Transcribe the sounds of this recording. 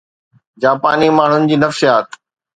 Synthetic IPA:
d͡ʑaːpaːnimaːɳ̤ʊnɪ̆d͡ʑiːnɐfʃijaːt̪

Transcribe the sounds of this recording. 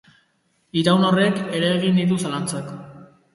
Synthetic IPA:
iɾawnore̞ke̞ɾe̞eɣ̞ind̪it̪̬usalant͡sak

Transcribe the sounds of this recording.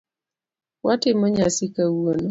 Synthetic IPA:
watɪmɔɲasikawuonɔ

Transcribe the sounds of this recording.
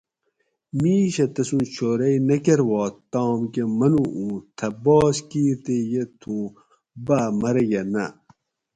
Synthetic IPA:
miːɕɐt̪ɐsũːnt͡ɕʰoːɾɐjnɐkeɾwɑːt̪ɑːmkemɐnuʔũːt̪ʰɐbɑːskiːɾt̪ejet̪ʰũː | baːmɐɾɐjɐnɐ̰

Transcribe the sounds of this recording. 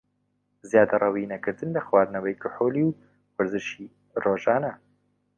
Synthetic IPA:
zjaːd̪ɐrˤɐwiːnɐkɨɾd̪ɨnlɐxwaːd̪nɐwɐjkɨħoːliw | wɐɾzɨʃiː | roːʒaːnɐ

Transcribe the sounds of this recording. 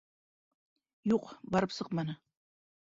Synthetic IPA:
juqbɑɾɤpsɤqmɑnɤ

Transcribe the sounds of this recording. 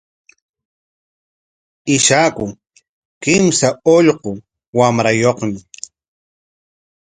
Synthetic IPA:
ɪʃakʊ | kɪmsaoʎɢo | wamɾajoχmɪ

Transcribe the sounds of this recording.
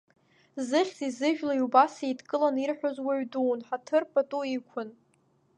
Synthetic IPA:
zɨχʲzizɨʒᶣlaiubasejdkʼɨlanirħʷᶣozwaɥduːnħatʰɨrpʼatʼuikʷʰʊn

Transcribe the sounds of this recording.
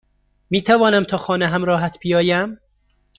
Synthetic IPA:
miːt̪ʰævɒːnæmt̪ʰɒːxɒːneɦæmɾɒːɦæt̪ʰbijɒːjæm

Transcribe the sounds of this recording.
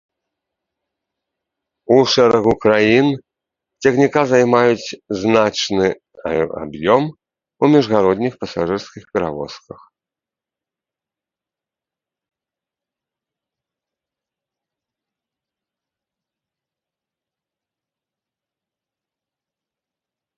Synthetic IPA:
uʂɛɾɐɣukɾajin | t͡sʲɐɣnʲikazajmajut͡sʲznat͡ʂnɨ | a̰bjɔm | umʲɛʐɣaɾɔd̪ʲnʲixpɐsaʐɨrskʲixpʲɛɾavɔ̰skɐx

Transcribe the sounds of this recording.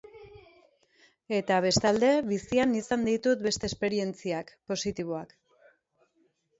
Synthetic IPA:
e̞t̪aβe̞st̪ald̪e̞βisianisand̪it̪ut̪̚be̞st̪e̞ːspe̞ɾie̞nt͡siakpo̞sit̪iβ̞o̞ak

